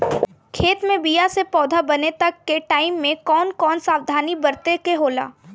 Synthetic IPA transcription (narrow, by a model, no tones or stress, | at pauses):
kʰeːt̪mẽbijasepɔːd̪ʱabɐnet̪ɐkːeʈaːɪmːẽkɔːnkɔːnsaːwd̪ʱaːnibɐɾt̪ekeɦoːla̰ː